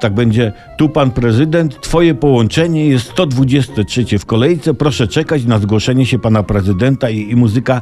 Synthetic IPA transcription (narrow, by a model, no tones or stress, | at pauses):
t̪aɡ̚bɛɲd͡ʑɛ | t̪upanpɾɛzɘd̪ɛnt̪ːfɔjɛpɔwɔnt͡ʂɛɲɛjɛst̪st̪ɔd̪vud͡ʑɛst̪ɛtʂɛt͡ɕɛfkɔlɛjt̪sɛpɾɔʂɛt͡ʂɛkat͡ɕnazɡwɔʂɛɲɛɕɛpanapɾɛzɨd̪ɛnt̪aiːmuzɨka